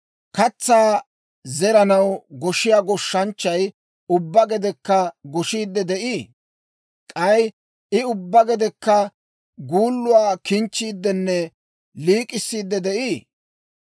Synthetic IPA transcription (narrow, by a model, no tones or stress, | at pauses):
kɐt͡sːaː | zɛɾɐnɐwɡɔʃɪjaːɡɔʃːɐnt͡ʃːɐj | ʊbːɐɡɛd̪ɛkːɐɡɔʃiːd̪ːɛd̪ɛʔiː | kʼɐj | ʔɪʊbːɐɡɛd̪ɛkːɐ | ɡuːlːʊwaːkɪnt͡ʃːiːd̪ːɛnːɛ | liːkʼɪsːiːd̪ːɛd̪ɛʔiː